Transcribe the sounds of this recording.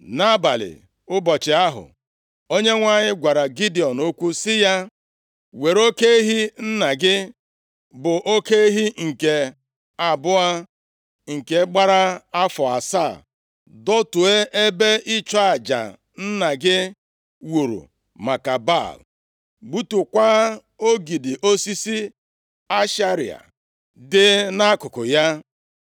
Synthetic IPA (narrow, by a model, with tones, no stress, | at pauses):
na˦ba˨lɪ̰˨ | ʊ˦bɔ˨t͡ʃɪ˨a˦ɦʊ̰˨ | o˦ɲe˦ŋʷa˦˨ɲɪ˦ɡʷa˨ɾa˨ɡi˦di˨ɔ˨no˦kʷu˦sɪ˦ja˦ | we˨ɾo˦ke˦ɦi˦n̩˦na˨ɡɪ˦ | bʊ˨ʔo˦ke˦ɦi˦ŋ̩˨ke˨ | a˨bʊ˦a˦ | ŋ̩˨ke˨˦ɡ͡ba˦ɾa˦a˦fɔ˨a̰˨sa˦˨ | dɔ˦tʊ˨e˦ʔe˦be˦ʔɪ˦t͡ʃɔ˦a˨d͡ʒa̰˨ | n̩˦na˨ɡɪ˦ | wu˨ɾṵ˨ | ma˨ka˨ba̰˦˨l | ɡ͡bu˦tu˨kʷa˦ | o˦ɡi˨dɪ˨ʔo˦si˦si˦ | a˦ʃa˦ɾḭ˨a̰˨ | dɪ˦na˦kʊ˨kʊ˨ja˦